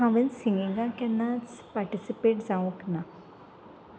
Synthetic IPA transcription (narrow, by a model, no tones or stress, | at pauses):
ãʋə̃nsiŋɡiŋɡãkɛnːãt͡spaɾʈisipeːʈd͡zãʋũkna